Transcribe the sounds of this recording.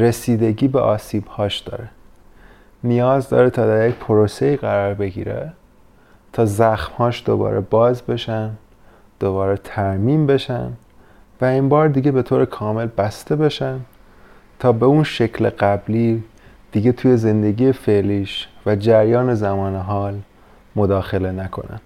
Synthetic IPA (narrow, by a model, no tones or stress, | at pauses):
ɾe̞siːd̪e̞ɟiːbeʔɒːsiːb̥hɒːʃd̪̥ɒ̰ːɾe | nijɒːzd̪ɒ̰ːɾet̪ʰɒːd̪æɾjecpʰo̞ɾose̞iːɣæɾɒːɾbe̞ɟḭːɾḛ | t̪ʰɒːzæxmhɒːʃd̪̥o̰bɒ̰ːɾʔebɒːzbe̞ʃæn | d̪̥o̞βɒːɾet̪ʰæɾmiːmbe̞ʃæ̰n | væimbɒːɾd̪iːɟe̞be̞t̪ʰoːɾekʰɒːme̞lbæst̪e̞be̞ʃæn | t̪ʰɒːbe̞unʃe̞cʰlḛɢæbliː | d̪̥iɡe̞t̪ʰuːje̞ze̞nd̪e̞ɟiːjefe̞ʔliːʃvæd͡ʒæɾjɒːne̞zæmɒːneɦɒːl | mo̞d̪ɒːxe̞le̞nækʰo̞̰næ̰n̥